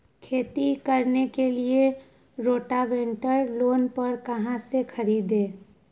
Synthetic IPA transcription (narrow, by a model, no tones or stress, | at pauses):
kʰeːt̪ikɐɾnekelie | ɾoːʈaʋẽɳʈəɾloːnpɐɾkɐɦãsekʰɐɾiːd̪ẽː